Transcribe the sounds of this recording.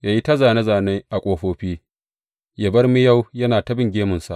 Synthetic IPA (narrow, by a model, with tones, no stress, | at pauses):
jaː˦˨ji˦tɐ˦zaː˨ne˦zaː˨neː˦ʔa˨kʷʼoː˦ɸoː˦ɸiː˦ | ja˨bɐ˦rmi˦ja˦˨wjɐ˦naː˨tɐ˦bɪ˦ŋɡʲeː˦mʊ˨nsa̰˨ʔ